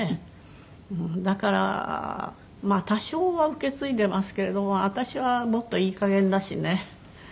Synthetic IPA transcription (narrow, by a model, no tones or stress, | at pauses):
e | ɯ̟̃d̪akaɾa̰ | maːt̪aɕo̞ːβaɯ̟ke̞t͡sɨit̪e̞masɨ̥ke̞ɾe̞d̪o̞moat̪aɕiβamo̞t̪ːo̞iːkaɡẽ̞nd̪aɕine̞